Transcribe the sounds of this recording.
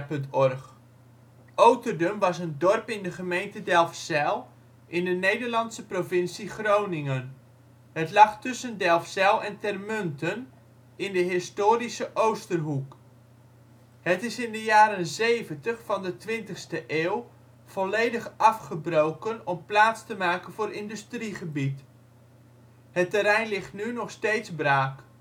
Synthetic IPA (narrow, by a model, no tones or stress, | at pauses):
pɵntɔrχ | owtərdəmʋɑsəndɔrpɪndəχəmejntədɛlˠfsɛlˠ | ʔɪndənejdəɹlɑntsəprovɪnsiχrownɪŋən | ɦətlɑχtʏsəndɛlˠfsɛlˠɛntɛrmɵntən | ɪndəɦɪstoːrisəʔowstərɦuk | ɦətɪsɪndəjaːɾənzejvəntəχfɑndətʋɪntəχstəʔeːw | v̥ɔlejdəχʔɑfχəbrowkənɔmplaːtstəmaːkənvʊːɾɪndʏstriχəbit | ɦətəɾɛjnlɪχtnynɔχstejtzbraːk